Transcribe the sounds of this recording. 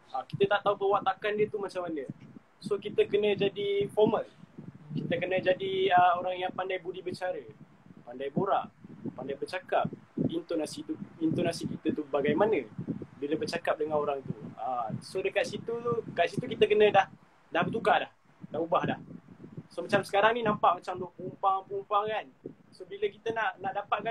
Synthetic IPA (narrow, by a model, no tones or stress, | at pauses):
aki̥t̪ət̪aʔt̪aupəwaʔt̪akandiət̪umat͡ʃaŋmanə | sokit̪əkənə̃d͡ʒadifɔrməlkit̪əkənə̃d͡ʒadiəoɾaŋjaŋpandajbudibət͡ʃaɾə | pandajboɾa̰ʔpandajbət͡ʃakap̚int̪onasit̪uint̪onasikit̪ət̪ubaɡajmanəbiləbərt͡ʃakap̚dəŋanoɾaŋt̪uəsodəkaʔ̪̚sit̪uudəkaʔ̪sit̪ukit̪əkənə̃dah | dahbət̪ukalah | dahubahdahsomat͡ʃamsə̥kaɾaŋninãmpaʔmat͡ʃamdopəumpaŋpəumpaŋkan | sobiləkit̪ənaʔnaʔdapaʔ̚ka